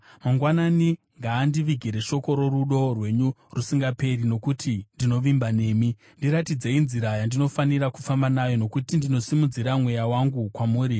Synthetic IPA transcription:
maŋɡwanani | ŋɡaːndiʋiɡʱiɾe̞ʃo̞ko̞ɾo̞ruɗo̞rwe̞ɲurusiŋɡape̞rino̞kutʰindino̞ʋimbane̞ːmi | ndiɾatid͡ze̞inziɾajandino̞faniɾakufambanajo̞no̞kutindino̞simud͡ziɾamwe̞jawaŋɡukwamuːɾi

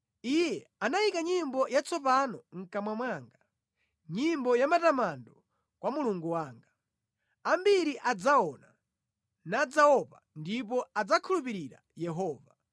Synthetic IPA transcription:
ijɛanajikaɲimbɔjat͡sʰɔpanɔŋ̩kamwamwaŋɡa | ɲimbɔjamatamandɔ | kwamuluŋɡuwaːŋɡa | ambiɾiʔad͡zaɔna | nad͡zaɔpandip̬ɔad͡zakʰulupiɾiɾa̰ | jɛɦɔːva

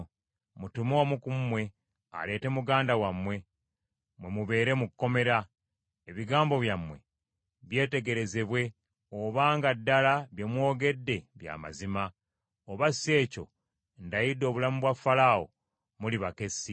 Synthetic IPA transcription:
mutumo̞ːmukummːwe̞ | a̰le̞ːte̞muɡaːndawamwe̞ | mwe̞muβe̞ːɾe̞mukkːo̞me̞ɾa | eβiɡaːmbo̞βjamwe̞̰ | βje̞ːte̞ɡe̞ɾe̞ze̞βwe̞ | oβaːŋɡadːalaβjemwo̞ːɡe̞dːe̞βja̰ːma̰zima | oβase̞ːco̞̰ | ndajido̞ːβulamuβwafːalao̰ | muliβake̞si

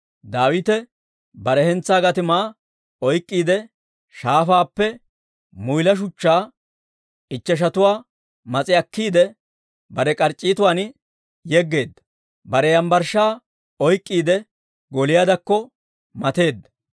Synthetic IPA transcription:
d̪aːwɪt̪ɛ | bɐɾɛhɛnt͡sːaːɡɐt̪ɪmaː | ɔjkʼːiːd̪ɛ | ʃaːfaːpːɛ | mʊjlɐʃ̬ʊt͡ʃːaː | ɪt͡ʃːɛʃ̬ɐt̪ʊwaː | mɐt͡sʼɪɐkːiːd̪ɛ | bɐɾɛkʼɐɾt͡ʃʼːiːt̪ʊwaːn | jɛɡːe̞ːd̪ːɐ̥ | bɐɾɛjɐmbɐɾʃaː | ɔjkʼːiːd̪ɛ | ɡɔlɪjad̪ɐkːɔ | mɐt̪e̞ːd̪ːɐ

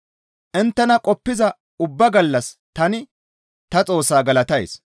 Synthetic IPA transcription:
ʔɪnt̪ːɛnɐkʼɔpːɪzɐ | ʊbːɐɡɐlːɐst̪ɐnɪ | t̪ɐt͡sʼo̞ːsːaːɡɐlɐt̪ɐj̰s

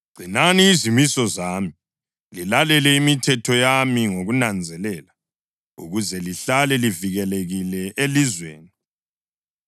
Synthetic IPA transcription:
ɡ͡ǀ̥ʱinaniːzimisɔzami | lilalɛlɛimitʰɛtʰɔjamiŋoɣunand͡zʱɛlɛla | ṵɣuzɛliɬalɛliviɣɛleɣilɛʔelizwḛːni

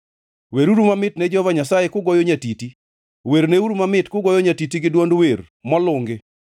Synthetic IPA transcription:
weɾuɾumamɪtnɛd͡ʒɔvaɲasajekʊɡɔjɔɲatiti | weɾneuɾumamɪtkʊɡɔjɔɲatitiɡɪdwondweɾ | mɔlʊŋɡɪ

